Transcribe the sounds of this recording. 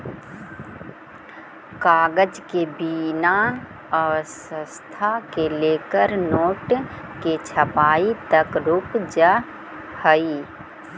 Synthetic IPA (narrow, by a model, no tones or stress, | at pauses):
kaːɡəd͡ʒkebina | əʋəsəst̪ʰakeleːkəɾnoːʈket͡ʃʰəpaːit̪əkɾʊkd͡ʒə | həi